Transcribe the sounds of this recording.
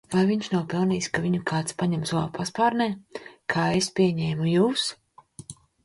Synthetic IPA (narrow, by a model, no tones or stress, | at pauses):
vajviɲʃnawpɛlˠniːjskaviɲukʰaːt̪spaɲɛmzua̰pʰaspaːɾnɛːkʰaːespʲiɛɲɛːmujuːs